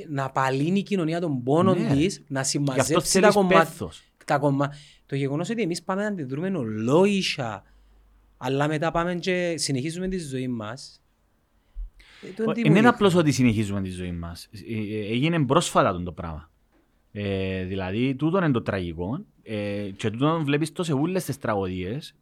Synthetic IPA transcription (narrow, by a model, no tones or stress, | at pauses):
nɐpɐlinicino̞niɐt̪o̞mbo̞no̞nd̪isnɐsimːɐɐfeoielɐkompeθos | t̪ɐko̞mːɐ | t̪oʝeɣo̞noso̞t̪ie̞mispɐmenɐnd̪iðɾume̞nolːo̞iʃɐ̰ | lːɐme̞t̪ɐpɐme̞nt͡ʃe̞sineçizume̞nt̪izːo̞imːɐs | t̪oinenɐplo̞s̬o̞t̪̬isineçizument̪izːo̞imːɐseʝinembɾo̞sfɐt̪ɐt̪ond̪o̞pɾɐ̰mɐ | eðilɐðit̪ut̪onend̪ot̪ɾɐʝiko̞n | et͡ʃe̞t̪ut̪ovlepist̪o̞s̬eulːest̪est̪ɾɐɣo̞ðies